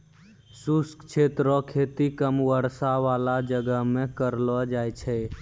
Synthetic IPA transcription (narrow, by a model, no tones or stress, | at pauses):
suskt͡ʃʰet̪ɾɔkʰet̪ikəmwəɾsaʋalad͡ʒəɡəɦmẽkəɾlɔd͡ʒajt͡ʃʰɛ